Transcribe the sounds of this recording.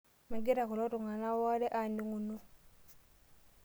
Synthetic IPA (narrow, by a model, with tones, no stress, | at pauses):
me˨ɡe˦ɾa˨ku˨lɔ˦tu˨ŋa˨na˦wa˦ɾɛ˦ʔa˨ndi˨˦ŋu˨nu˦